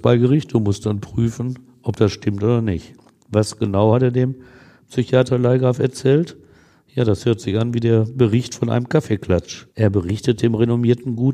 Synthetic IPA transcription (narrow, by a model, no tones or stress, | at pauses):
b̥aɪɡəʁɪçt̚d̥umʊstd̥anpʁ̥yːfn̩ | ʔɔp̚d̥asʃtɪmtʔoːdɐnɪçt | vasɡ̥ənaʊhateːɐdeːm | psyçaːtʰɐlaɪɡʁaːfɛɐt͡sɛːlt | jaːɾashøːɐtz̥ɪçʔanviːdeːɐbəʁɪçtfɔnʔa̰ɪnəmkʰafeːkl̥at͡ʃʔeːɐbəʁɪçtət̚d̥eːmʁenomiːɐtn̩ɡuːt